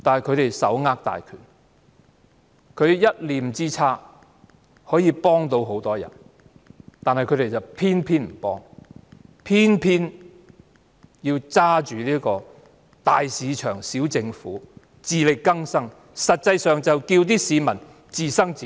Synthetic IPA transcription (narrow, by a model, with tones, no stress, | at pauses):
t̪aː˨nhɐ˨jkʰɵ˨˧ɥt̪e˨jsɐ̰˨˥wŋaː˧˥k̚t̪a̰ː˨jkʰyː˨˩n | kʰɵ˨˧ɥjɐ˥t̚liː˨˧m̩˨t͡siː˥t͡sʰaː˥ | hɔː˨˥jiː˧pɔː˥ŋt̪o˧wɦo˨˥wt̪ɔː˥jɐ̰˨˩n | t̪aː˨nhɐ˨jkʰɵ˨˧ɥt̪e˨˩jt͡sɐ˨wpʰiː˥npʰiː˥nm̩˨˩pɔː˥ŋ | pʰiː˥npʰiː˥n | jiː˧wt͡saː˥t͡ʃyː˨liː˥kɔː˧ | t̪aː˨˩jsiː˨˧t͡ʃʰœː˨˩ŋsiː˨˥wt͡sɪ˧ŋfṵː˨˥ | t͡siː˨lɪ˨kkːɐ˥ŋsɐ˥ŋ | sɐ˨t̚t͡sɐ˧jsœː˨ŋt͡sɐ˨wkiː˧wt̪̬iː˥siː˨˧mɐ˨˩n | t͡siː˨sɐ˥ŋt͡siː˨˥